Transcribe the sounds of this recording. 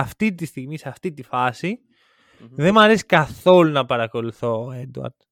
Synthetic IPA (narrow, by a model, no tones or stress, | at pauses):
ɐft̪it̪ist̪iɣmiseɐft̪it̪ifɐsi | ðe̞mɐɾesi̥kɐθo̞lunɐpɐɾɐko̞luθo̞ed̪uɐ̰ɾd̪̥